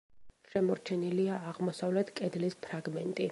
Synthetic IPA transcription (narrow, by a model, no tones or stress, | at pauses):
ʃɛmɔɾt͡ʃʰɛniliaːʁmɔsavlɛt̪ʰkʼɛd̪lispʰɾaɡmɛnt̪ʼi